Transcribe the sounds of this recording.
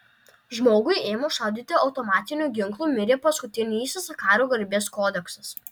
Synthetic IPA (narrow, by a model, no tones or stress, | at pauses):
ʒmoːɡʊɪeːmoʃɑʊd̪ʲɪt̪ʲɪɒʊt̪ɔmɑːt̪ʲɪnʲuːˑɡʲɪŋˑklˠuːmʲɪɾʲeːpɐskʊt̪ʲɪnʲisʲsʲɐkɑːɾʲuːɡɐɾʲbʲeːskoːd̪ʲɛksɐs